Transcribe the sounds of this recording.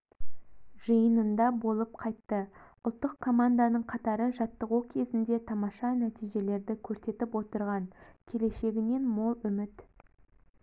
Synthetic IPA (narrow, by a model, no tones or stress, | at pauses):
ʒəjənənd̪ɑbo̞lˠəp̚qʰɑjt̪ːəʊlˠt̪ːəqkʰːo̞mand̪anəɴqʰɑt̪ɑɾəʒɑt̪ːəʁukʲʰe̞zɪnd̪e̞t̪ʰɑmɑʃɑnæt̪ijʒe̞le̞ɾd̪ɪkʲʰɵɾse̞t̪ɪpwo̞t̪əɾʁɑɴkʲʰe̞le̞ʃe̞ɡʲɪne̞nmo̞lˠʏmɪt̪